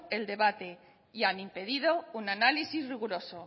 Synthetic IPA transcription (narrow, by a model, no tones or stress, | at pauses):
e̞ld̪e̞βat̪e̞ | janimpe̞ðið̞o̞unanalisizriɣ̞uɾo̞so